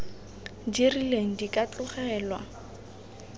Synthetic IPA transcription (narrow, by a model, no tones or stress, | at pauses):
dirileŋ̩dikʼat͡ɬʼʊχɛːlwa̰